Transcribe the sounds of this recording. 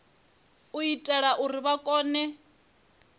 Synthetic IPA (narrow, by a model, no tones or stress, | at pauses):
uitʼɛɺaʔuriβakʼɔːnɛ